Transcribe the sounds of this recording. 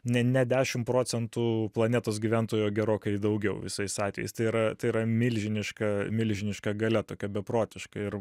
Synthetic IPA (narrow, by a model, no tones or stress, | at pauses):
nʲɛnʲɛd̪ʲæːʃʲɪmpɾoːt͡s̪ʲɛnt̪uːplˠɐnʲeːt̪oːs̬ɡʲiʋʲænt̪oːjoːɡʲɛɾoːkɐɪd̪ɐʊɡʲɛʊʋʲɪ̰sɐɪɪsɑːt̪ʲʋʲɛ̰jɛ̰ɪst̪ɐɪiɾɐt̪ɐɪɪɾɐmʲɪlʲʒʲɪnʲɪʃkɐmʲɪlʲʒʲɪnʲɪʃkɐɡɐlʲɛt̪oːkʲɛbʲɛpɾoːt̪ʲɪʃkɐɪɾ